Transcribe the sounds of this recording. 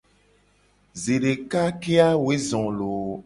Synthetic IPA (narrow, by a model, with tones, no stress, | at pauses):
ze˨ɖe˨ka˦ke˦a˦we˦zɔ̃˨lo˨